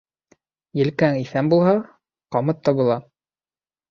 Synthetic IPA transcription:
jɘ̆lkæŋiθæmbulˠhɑ | qɑmɤt̪ːɑbulˠɑ

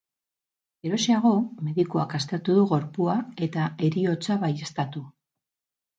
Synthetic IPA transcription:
eɾo̞siaɣ̞o̞me̞ðikuakast̪e̞ɾt̪uðuɣ̞o̞ɾpuae̞t̪ae̞ɾio̞t͡saβaje̞st̪at̪u

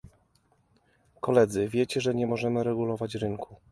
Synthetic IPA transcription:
kɔlɛd̪zɘvʲjɛt͡ɕɛʐɛɲɛmɔʐɛmɘɾɛɡulɔvat͡ɕɾɘŋku

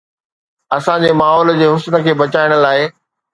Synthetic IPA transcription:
ɐsãd͡ʑeːmaːɦɔːld͡ʑeːɦʊsnə̆kʰeːbɐt͡ɕaːɪɽ̃ʊ̆laːɪ

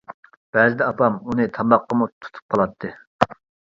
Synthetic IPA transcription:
b̥ɛzɪd̪ɛɑpʰɑmunɨt̪ʰɑmɑqːəmut̪ʰu̥t̪ʰu̥p̚qʰɑlˠɑt̪ʰːɨ

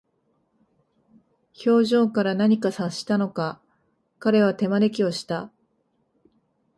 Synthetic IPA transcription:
ço̞ːʑõ̞ːŋkaɾanaɲ̟ikasaɕi̥t̪ano̞ka | kaɾe̞β̞at̪e̞maɾe̞kʲio̞ɕi̥t̪a

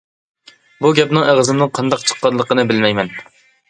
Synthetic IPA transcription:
buɡʲɛpnɨŋeʁəzɨmnɨŋqʰɑnd̪ɑq̚t͡ʃʰə̥qːɑnlˠəqənɨbɪlmɛjmɛn

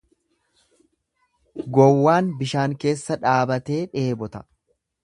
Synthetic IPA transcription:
ɡɔwːaːnbɪʃaːŋke̞ːsːɐᶑaːbɐt̪e̞ːᶑe̞ːbɔt̪ɐ̥

